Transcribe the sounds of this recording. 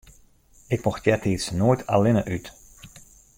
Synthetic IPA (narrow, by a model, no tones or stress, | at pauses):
ɪkmɔxtjɛtʰɪsnoːjtʰa̰lɪnəʔyt